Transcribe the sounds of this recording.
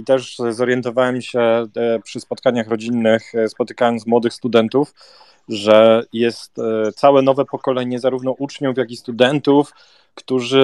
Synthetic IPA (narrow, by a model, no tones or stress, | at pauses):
it̪ɛʂzɔɾjɛnt̪ɔvawɛmɕɛpʂɘspɔt̪̚kaɲaxɾɔd͡ʑinːɘxspɔt̪ɘ̥kajɔnt̪smwɔd̪ɘxst̪ud̪ɛnt̪uf | ʐɛjɛst̪sawɛnɔvɛpɔkɔlɛɲɛzaɾuvnɔʔut͡ʂɲufjakist̪ud̪ɛnt̪uf | kt̪uʐɘ